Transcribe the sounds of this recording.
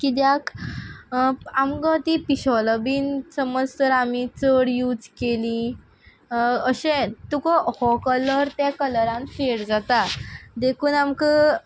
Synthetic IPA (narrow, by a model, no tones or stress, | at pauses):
kiːd̪jak | amkə̃t̪ipiɕɔləbiːnsəməd͡zt̪əɾamit͡səɽjuːd͡zkelĩ | əɕẽt̪ukɔhɔkələɾt̪jakələɾãnfeɽd͡zat̪ad̪ekʰuːnamkə